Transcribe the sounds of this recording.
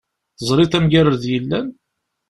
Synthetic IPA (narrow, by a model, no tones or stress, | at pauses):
θəzˤɾˤiθæmɡæɾəɾðjəlːæn